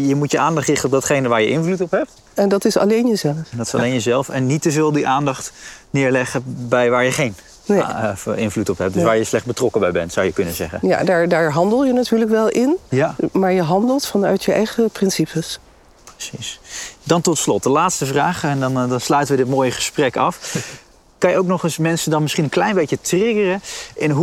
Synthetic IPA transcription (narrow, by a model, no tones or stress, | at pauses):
jəmutjəaːndɑχtrɪχtənɔp̚dɑtχejnəʋaːɹjəʔɪnflutɔpɦɛp̚t | ɛndɑtɪsɑ̰lejnjəzɛləfdɑtɪ̥sɑ̰lejnjəzɛlˠfɛnːitəvɪːlˠdiʔaːndɑχtnɪːɹlɛχəbɛjʋaːɹjəχejn | ɪnvlutɔpɦɛp̚d̥əsʋaːɹjəslɛχbətrɔkəbɛjbɛ̰ntsʌwjəkɵnəzɛ̰χə̰ja̰daːɹdaːɹɦɑndəlˠjənatyːɹləkʋɛlˠʔɪnjamaːɹjəɦɑndəlˠtfɑnœɥtjəɛ̰jχəprɪnsipʰəs | prəsisdɑntɔtslɔt̚dəlaːtstəvraːχɛndnnslœɥtənʋədɪtmoːjəχə̥sprɛkɑf | kɑnjəowknɔχəsmɛnsəndɑnmɪsχinənklɛjnbejjətrɪɡərəʔɪnɦu